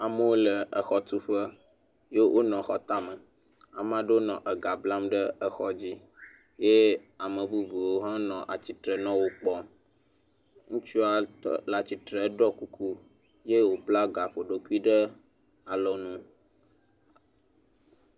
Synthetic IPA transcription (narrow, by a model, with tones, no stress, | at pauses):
a˨mə˦wo˦lə˨ə˨xɔ˦t̪u˦ɸə˦ | je˦wʔo˦nɔ̃˨xɔ˦t̪a˦mə˨ | a˨mã˦ɖə˦o˦nɔ̃˨ʔə˨ɡa˨bla˦mɖə˦ə˨xɔ˦d͡ʑi˦ | je˦a˨mə̃˨bu˦vi˨wo˦ɦã˦nɔ̃˨ʔa˨t͡ɕi˨t̪ɾɛ˨nɔ̃˦wo˦k͡pɔ˦m | ŋũ˦t͡ʃu˦a˨la˨t͡ɕi˨t̪ɾɛ˨˦ɖɔ˦ku˦kʰu˦ | je˦wo˨pla˦ɡa˨ɸo˨ɖo˦ku˦i˦ɖə˦ | a˨lɔ˨nũ˦